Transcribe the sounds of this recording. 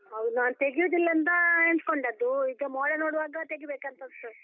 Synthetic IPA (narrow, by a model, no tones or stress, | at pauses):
ɐʋnaːnut̪eɡijud̪ilːɐnt̪̬ɐent̪koɳɖɐd̪uiɡɐmoːɽɐnoːɽʋaːɡɐt̪eɡibeːkɐnt̪ɐsɐ